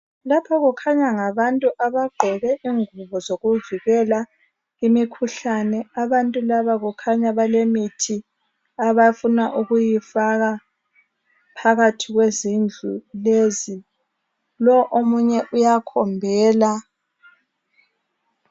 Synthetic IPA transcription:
lapʰaɣukʰaɲaŋaβantʼuʔaβaɡ͡ǃʱɛβɛʔiŋuβɔzoɣuviɣɛla | ɣimikʰuɬanɛaβantʼulaβaɣukʰaɲaβalemitʰi | aβafunaʔuɣujifaɣa | pʰaɣatʰiɣwezind͡ɮʱulezi | lɔʔomuɲɛʔujakʰɔmbʱɛːla

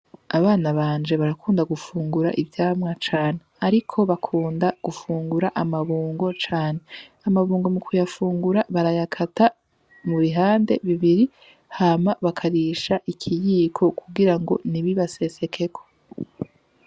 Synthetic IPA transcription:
aβaːnaβaːɲd͡ʒe̞βaɾakʰuːndaɡufuːŋɡuɾa̰ʔivjaːmŋat͡ʃaːne̞aɾikʰo̞βakʰuːndaɡ̥ufuːŋɡuɾaʔamaβuːŋɡo̞t͡ʃaːne̞amaβuːŋɡo̞mukʰujafuːŋɡuɾaβaɾajakʰatʰa | muβiɦaːnde̞̰βiβiɾi | hamaβakʰaɾiːʃaʔikʰijiːkʰo̞kʰuɡiɾaŋɡo̞niβiβase̞se̞kʰe̞kʰo

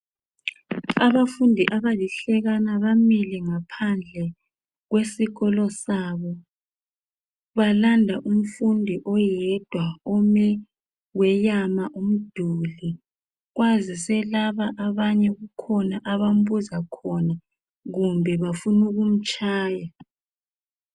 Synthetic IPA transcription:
aβafundʱiʔaβaliɬɛɣanaβamilɛŋapʰand͡ɮʱɛ | ɣwesiɣɔlɔsaβɔ | βalandʱaʔum̩fundʱiʔɔjɛd̥ʱwaomɛ | wɛjamaʔum̩d̥ʱuli | ɣwazisɛlaβaʔaβaɲɛɣukʰɔnaʔaβam̩βuzakʰɔna | ɣumbʱɛβafunuɣum̩t͡ʃʼʰaːja

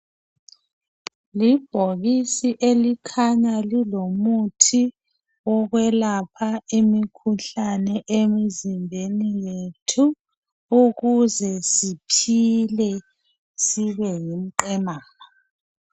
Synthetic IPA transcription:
lib̥ʱoɣisiʔelikʰaɲalilomutʰi | ɔɣwɛlapʰaemikʰuɬanɛʔemizimbʱenijetʰu | uɣuzɛsipʰilɛ | siβɛjim̩ǃɛmaːŋa

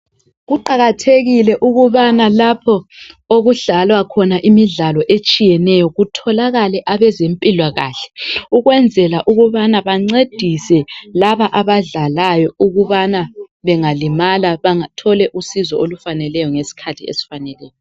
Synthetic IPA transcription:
ɣuǃaɣatʰeɣilɛʔuɣuβanalapʰɔoɣuɮalwakʰɔnaʔimiɮalɔʔet͡ʃʼijɛnɛjɔɣutʰɔlaɣalɛʔaβɛzempʼilwaɣa̰ːɬɛ̥uɣwɛnd͡zʱɛlaʔuɣuβanaβaŋ͡ǀed̥ʱisɛlaβaʔaβaɮalajɔuɣuβana | βɛŋalimalaβaŋatʰɔlɛʔusizɔolufanɛlɛjɔŋesi̥kʰatʰiḛsi̥fanɛlɛːjɔ

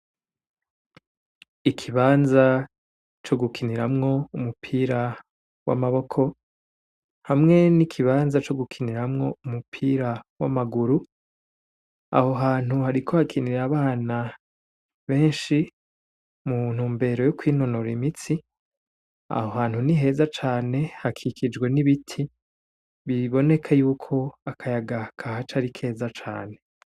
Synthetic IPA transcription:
ikʰiβaːnza | t͡ʃo̞ɡukʰiniɾamŋo̞umupʰiːɾa | wa̰maβo̞kʰo̞ | hamŋe̞nikʰiβaːnzat͡ʃo̞ɡukʰiniɾamŋo̞umupʰiːɾawa̰maɡuɾu | a̰ho̞ɦaːn̥huɦaɾikʰohakʰiniɾɾaβaːna | βe̞ːnʃi | mun̥huːmbe̞ɾo̞jokwiːno̞noɾimit͡si | a̰hohaːn̥huniɦe̞ːzat͡ʃaːne̞hakʰikʰid͡ʒɡwe̞niβitʰi | βiβo̞ne̞kʰajuːkʰo̞akʰajaɡakʰahat͡ʃaɾikʰe̞ːzat͡ʃa̰ːne̞

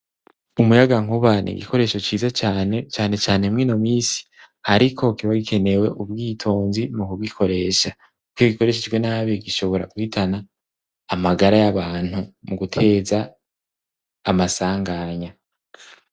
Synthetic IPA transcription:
umujaɡaŋ̥uβanʔḭɡḭko̞ɾe̞ːʃo̞t͡ʃiːzat͡ʃanet͡ʃaːne̞t͡ʃaːne̞mŋino̞miːsi̥ | aɾikʰo̞kiβaɡikʰe̞ne̞we̞ʔub̚ɡiːtʰo̞ːnzimukuɡɡikʰo̞ɾe̞ːʃa | kujoɡiko̞ɾe̞ʃid͡ʒɡwenaβeɡiʃo̞βo̞ɾa̰ɡuhitʰanaː | maɡaɾajaβaːn̥humuɡutʰe̞ːza | masaːŋɡaɲa

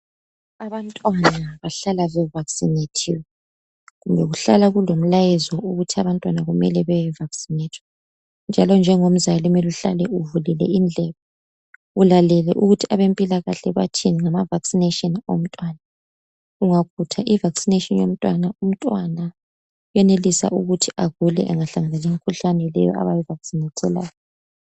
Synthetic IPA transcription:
aβantʼwanaβaɬalaβɛvaksinetʰḭwɛ | ɣumbʱɛɣuɬalaɣulom̩lajɛzɔʔuɣutʰiaβantʼwanaɣumɛlɛβɛjɛvaksinetʰwɛ̥ | nd͡ʒʱalɔnd͡ʒʱɛŋom̩zalimiluɬa̰lɛuvulɛlɛ̰ind͡ɮʱɛβɔ | ulalɛlɛ̰ʔuɣutʰiaβempʼilaɣaɬɛβa̰tʰiniŋamavaksinetʼɔnom̩tʼwaːna | uŋakʰutʰaʔivaksinetʼɔnjom̩tʼwanaum̩tʼwana | jɛnelisa̰ʔuɣutʰiaɣulɛʔa̰ŋaɬaŋalaliŋikʰuɬanɛlɛjɔ̰ʔa̰βajɛvaksinɛtʰʼɛla̰ːjɔ

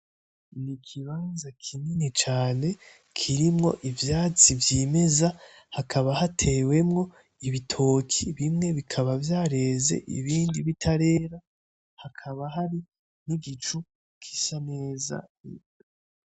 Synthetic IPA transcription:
nikʰiβaːnzakʰininit͡ʃaːne̞ | kʰiɾimŋo̞̰ʔivjaːt͡sivjiːme̞za | hakʰaβahatʰe̞ːwe̞mŋo̞ | iβitʰo̞ːkʰiβimŋe̞βikʰaβavjaːɾe̞ːzḛʔḭβiːndiβitʰaɾe̞ːɾa | hakʰaβaɦaɾi | niɡit͡ʃu | kʰi̥saneːza̰

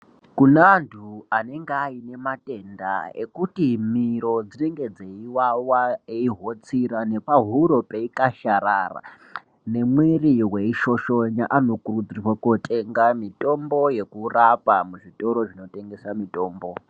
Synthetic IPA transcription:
kunantʰuane̞ŋɡeaine̞mate̞nda̰e̞̰kutimiɾo̞d͡zine̞ŋɡe̞d͡zeiwawaeiɦo̞t͡siɾane̞paɦuɾo̞peikaʃaɾara̰ | ne̞mweriɦwe̞iʃo̞ʃoɲaʔano̞kurud͡zirrwakotʰe̞ŋɡamito̞mbo̞je̞kurapamuʐito̞ɾo̞ʐino̞te̞ŋɡe̞samito̞ːmbo̞

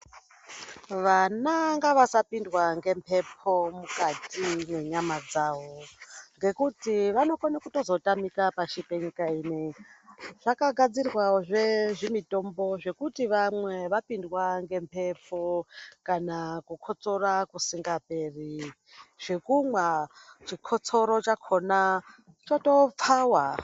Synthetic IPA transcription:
ʋanaŋɡaʋasapindwaŋɡe̞mpʰe̞pʰo̞mukatine̞ɲamad͡zaːʋo̞ŋɡe̞kutiʋano̞konakuto̞zo̞tamikapaʃipeɲikaiːne | ʐ̥akaɡʱad͡zirwaoʐeʐimito̞mbo̞ʐe̞kutiʋamweʋapindwaŋɡe̞mpʰe̞pokanakukʰo̞t͡so̞rakusiŋɡaperi | ʐ̥e̞kumwat͡ʃikʰot͡so̞ɾo̞t͡ʃakʰo̞na | t͡ʃoto̞p͡faːwa

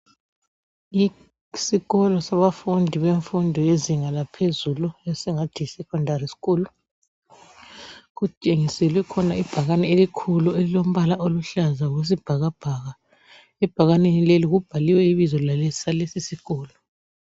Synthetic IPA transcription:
i | siɣɔlɔsaβafundʱiβeɱfundʱɔjeziŋalapʰezuluɛsɛŋad̥ʱisɛkʰʼɔndʱarisi̥ɣuːlu | ɣut͡ʃʼeŋisɛlwɛkʰɔnaib̥ʱaɣanɛelikʰuluelilom̩βalaʔoluɬazaɣwes̬ib̥ʱaɣab̥ʱaɣa | ɛb̥ʱaɣanenileliɣub̥ʱaliwɛiβizɔlale̥salesisiɣɔːlɔ

